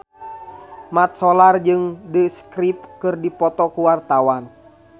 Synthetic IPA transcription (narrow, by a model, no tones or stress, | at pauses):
mat̪̚sɔlard͡ʒɨŋdəskɾip̚kɨrdipɔt̪ɔkuwart̪awan